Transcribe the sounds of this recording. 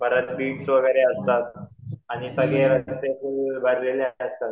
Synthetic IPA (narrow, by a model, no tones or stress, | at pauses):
bʱəɾət͡s̪biːʈsʋəɡəɾeəst̪at̪̚añisəɡʱeɾət̪epəbʱəɾleleəst̪at̪̚